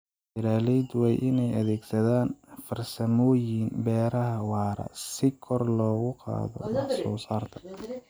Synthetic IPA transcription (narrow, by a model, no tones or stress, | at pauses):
bɪɾaːlɛd̪wɛjʔɪnɛjʔɐðɛːɡsɐðaːnfɐrsɐmɔːjɪnbɛːɾɐɦɐwɑːɾɐ̰sɪkʰɔrlɔːɣʊqɑ̰ːðɔ̰wɑsɔːsaːrt̪ʰɐ̥